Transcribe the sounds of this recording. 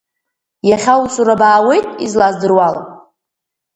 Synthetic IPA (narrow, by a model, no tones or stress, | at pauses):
jaχʲawsuɾabaːwe̞jtʼizlazdɨrwala̰